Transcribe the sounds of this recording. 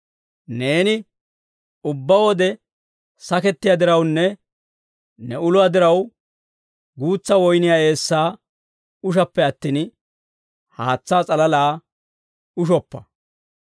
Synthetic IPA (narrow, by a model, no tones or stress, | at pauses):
ne̞ːnɪ | ʊbːɐwɔd̪ɛ | sɐkɛt̪ːɪjad̪ɪɾɐwnːɛ | nɛʊlʊad̪ɪɾɐw | ɡuːt͡sːɐwɔjnɪjaːe̞ːsːaː | ʊʃ̬ɐpːɛɐt̪ːiːn | haːt͡sːaːt͡sʼɐlɐlaː | ʊʃ̬ɔpːɐ